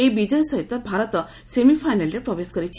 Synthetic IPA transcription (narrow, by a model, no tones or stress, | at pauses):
ebid͡ʒɔjɔsɔɦit̪ɔbʱaɾɔt̪ɔ | semifʰajnalɾepɾɔbeskɔɾit͡ʃʰi